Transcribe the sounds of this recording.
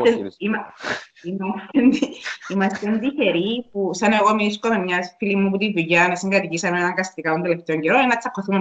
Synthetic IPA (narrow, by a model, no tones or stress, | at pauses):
eimɐimɐst̪enimɐst̪end̪içe̞ɾipusɐneɣomiiskome̞mɲɐsfilimːuput̪ivuʝɐnɐsiŋɡɐt̪icisɐmeenɐŋɡɐst̪ikɐt̪ond̪ele̞ft̪e̞o̞ɲɟeɾoninɐt͡sːɐkːoθume